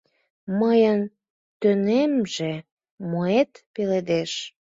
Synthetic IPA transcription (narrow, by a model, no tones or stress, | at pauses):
məjən | t̪ønemʒe | moet̪peled̪eʃ